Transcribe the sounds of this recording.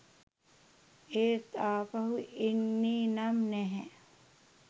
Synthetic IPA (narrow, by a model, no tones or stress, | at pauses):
eːt̪aːpɐɦuʔinːiːnamnɛɦɛ